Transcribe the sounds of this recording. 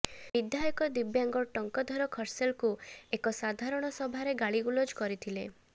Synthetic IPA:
bid̪jajɔkɔd̪ibjaŋɡɔʈɔŋkɔd̪ʱɔɾɔkʰɔɾselkuekɔsad̪ʱaɾɔɽ̃ɔsɔbʱaɾeɡaɭiɡulod͡ʒkɔɾit̪ʰile

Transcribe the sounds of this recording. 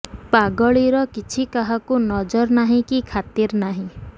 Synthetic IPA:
paɡɔɭiɾɔkit͡ʃʰikaɦakunɔd͡ʒɔɾnaɦĩkikʰat̪iɾnaɦĩ

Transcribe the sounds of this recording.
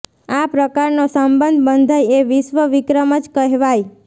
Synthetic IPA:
apɾəkaɾnosəmbənd̪ʱbənd̪ʱəjeʋɪʃʋəʋɪkɾəməd͡ʒkəɦʋaj

